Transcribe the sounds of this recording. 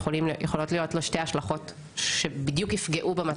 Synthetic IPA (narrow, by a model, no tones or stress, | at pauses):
olimjʔeχo̞lo̞tlijo̞tloʃtejhaʃlaχo̞t | ʃebid̪jukifɡe̞ʔubemat